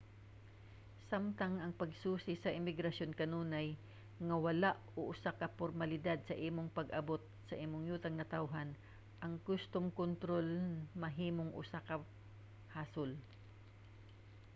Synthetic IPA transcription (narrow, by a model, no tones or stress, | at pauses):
samt̪aŋɐŋpɐɡsuːsɪsɐʔɪmɪɡɾɐsjonkɐnuːnaj | ŋɐwɐlaʔoʔʊsakɐpoɾmɐlɪd̪ad̪̚sɐʔiːmoŋpɐɡʔɐbo̞t̪̚sɐʔiːmoŋjuːt̪ɐŋnɐt̪awɦan | ʔɐŋɡʊst̪oŋkont̪ɾolnmɐɦiːmoŋʔʊ̰sakɐ | haːsol